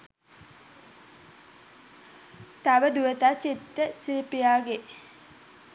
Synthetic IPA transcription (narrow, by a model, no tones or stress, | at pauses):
t̪ɐʋɐd̪uʋət̪at͡ɕit̪ːəsilipijaːɡe